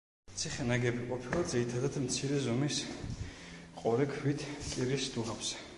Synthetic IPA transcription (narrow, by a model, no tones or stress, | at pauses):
t̪sʰiχɛnaɡɛbiqʼɔpʰilˠad̪ziɾit̪ʰad̪ad̪mt̪sʰiɾɛzɔmis | qʼɔɾɛkʰwit̪ʰkʼiɾisd̪uʁapsɛ̥